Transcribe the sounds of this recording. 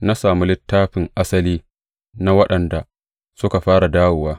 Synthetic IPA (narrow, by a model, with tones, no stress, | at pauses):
na˦saː˨mu˦lɪ˦tːaː˦ɸɪ˨ŋʔa˦sɐ˦liː˦ | na˦wɐ˦ɗɐ˨nda˨ | sʊ˦ka˨ɸaː˦ɽa˨daː˦wʊ˨waː˦